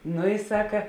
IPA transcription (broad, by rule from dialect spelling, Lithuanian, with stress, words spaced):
ˈnʊ ɪ ˈsɑːkɐ